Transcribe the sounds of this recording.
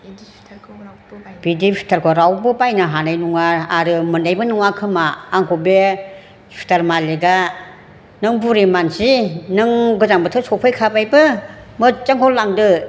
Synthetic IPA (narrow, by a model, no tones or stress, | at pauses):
b̥idipʰi̥tʰaɾkʰɔɾawbɯpajnaɦanajnuŋaːɾɯmɯndajbɯnɯŋakʰɯmaːŋkʰube | pʰi̥tʰaɾmaleɡa | nɯŋbuɾimansinɯŋɡɯzaŋbɯtʰɯsɔpʰajkʰabajbɯmɯt͡ʃaŋkʰɔllːaŋdɯ